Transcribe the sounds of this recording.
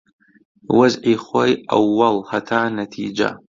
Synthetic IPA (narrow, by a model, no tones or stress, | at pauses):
wazʕiχʷoja̰wːalhatʰaːnatʰḭd͡ʒa̰